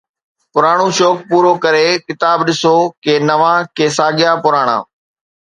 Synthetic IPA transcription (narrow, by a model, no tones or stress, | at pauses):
pʊɾaːɽ̃ũʃoːk̚puːɾokɐɾekɪt̪aːbɗɪsoːkenɐʋãːkeːsaːɠɪjapʊɾaːɽ̃a̰ː